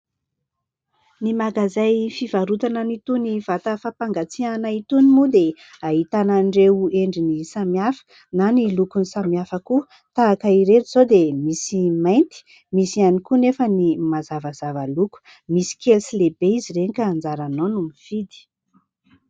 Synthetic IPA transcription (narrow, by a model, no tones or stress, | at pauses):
nimaɡazajfiv̥aɾut̪ananit̪univ̥at̪əfapaŋɡat͡sianait̪unimud̪e | aɦit̪anaɳɖ͡ʐeeɳɖ͡ʐinisamiafə̥ | nanilukunisamiafəku | t̪aːkəiɾet̪iz̥od̪emisimajnt̪i̥ | misianikunefənimazavəzavəluku̥ | misi̥kelsilebeiziɾeɲikaːnd͡zaɾanonumifid̪i̥